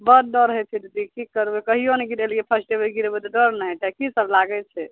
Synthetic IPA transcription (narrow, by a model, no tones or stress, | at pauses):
bəd̪̚dɔɾɦɛt͡ʃʰid̪ud̪ikikəɾbekəɦioneɡiɾelkepʰəsʈebəlɡiɾbet̪ɔɖɔɾnaʈɛkisəblaɡɛt͡ʃʰɛ